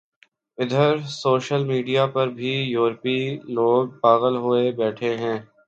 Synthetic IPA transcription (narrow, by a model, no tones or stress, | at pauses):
ɪd̪ʱəɾsoːʃəlmiːɖijapɐɾbʱijuːɾpiloːɡ̚paːɣəlɦoebɛːʈʰeɦɛ̃ː